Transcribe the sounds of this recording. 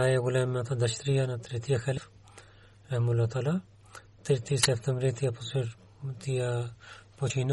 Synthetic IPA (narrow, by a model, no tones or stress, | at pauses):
ajɛɡulɛmɛat̪ad̪aʃt̪ɾijanat̪ɾit̪iaxɛlf | ɛmulat̪ala | t̪it̪isɛpt̪ɛmbɾit̪ijapusɾ | t̪iapɔt͡ʃin